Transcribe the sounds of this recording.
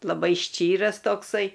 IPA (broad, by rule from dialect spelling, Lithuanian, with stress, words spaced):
lˠɐˈbɐɪ ˈʃʲt͡ʃʲiːrɐs toːkˈsɐɪ